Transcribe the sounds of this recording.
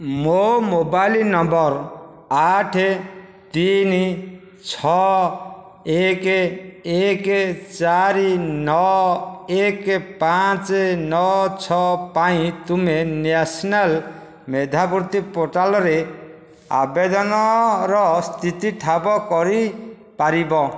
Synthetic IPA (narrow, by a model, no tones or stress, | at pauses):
momobajlinɔmbɔɾ | aʈʰe | t̪in | t͡ʃʰɔ | ek | ekt͡ʃaɾinɔ | ekpat͡ʃnɔt͡ʃʰɔpaĩt̪umenesɔnal | med̪ʱabuɾt̪ipoɾʈalɔɾe | a̰bed̪ɔnɔɾɔst̪ʰit̪iʈʰabɔkɔɾi | paɾibɔ